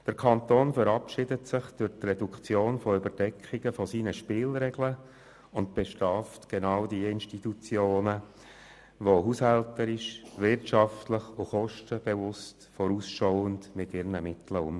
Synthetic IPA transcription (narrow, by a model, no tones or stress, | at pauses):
d̥əɾkʰɑnt̪oːnfəɾɑpʃɪdətsɪχd̥ʊɾtrɛdukt͡sjoːnfɔʏbəɾdɛkχɪɡ̥əfɔsiːnəʃpɪːlɾɛɡlə | ʊnt̚b̥ɛʃtɑːftɡ̥enɑːʊdiəɪnʃtitut͡sjoːnə | ʋoɦuːshɛltəɾɪʃvɪrtʃɑftləχʊχɔʃtəb̥evʊstfɔɾusʃɔʊəndmɪtɪɾnəmɪtləʊ̰m